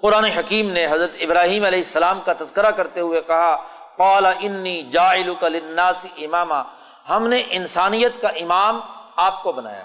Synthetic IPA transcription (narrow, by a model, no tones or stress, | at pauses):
qʊɾaːneɦɐkiːmneɦɐzɾət̪ɪbɾaːɦiːmɐlɛːɪsːɐlaːmkat̪ɐzkəɾakɐɾt̪eɦʊekɐɦaqaːlaʔɪnːiːd͡ʒaːɪlʊkɐlɪnːaːsɪʔɪmaːmaː | hɐmneʔɪnsaːnijət̪kaʔɪmaːmaːp̚kobɐna̰ːja̰ː